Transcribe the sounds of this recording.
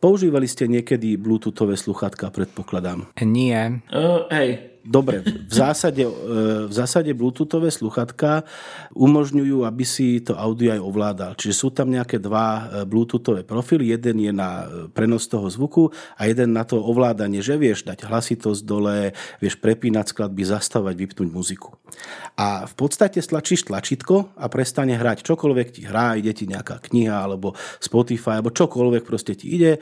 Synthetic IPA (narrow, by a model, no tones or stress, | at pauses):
pɔuʒiːʋaliscɛɲɪɛkɛd̪ibluːt̪uːt̪ɔʋɛːsluxat̪kapɾɛt̪̚pɔklad̪amɲɪɛɦɛj | d̪ɔbɾɛvzaːsaɟɛvzaːsaɟɛbluːt̪uːt̪ɔʋɛːsluxat̪ka | ʔumɔʒɲujuːabisit̪ɔaʊd̪iɔajɔʋlaːd̪alt͡ʃiʒɛsuːt̪amɲɛakɛd̪ʋabluːt̪uːt̪ɔʋɛːpɾɔfilijɛd̪ɛnjɛnapɾɛnɔst̪ɔɦɔzʋukuajɛd̪ɛnːat̪ɔɔʋlaːd̪aɲɪɛʒɛʋɪɛʒd̪aɟ̥ɦlasit̪ɔzd̪ɔlɛʋɪɛʃpɾɛpiːnasklad̪̚bizast̪aʋaɟʋipnuɟmuziku̥ | ʔafpɔt̪st̪acɛst̪lat͡ʃiːʃt̪lat͡ʃit̪kɔapɾɛst̪aɲɛɦɾact͡ʃɔkɔlʋɛkciɦɾaːiɟɛciɲɛaka̰ːkɲiɦaalɛbɔspɔt̪ifajalɛbɔt͡ʃɔkɔlʋɛk̚pɾɔscɛcḭiɟɛ